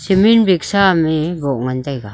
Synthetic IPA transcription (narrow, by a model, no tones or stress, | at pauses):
seminbeksamebɔʔŋant̪ajɡa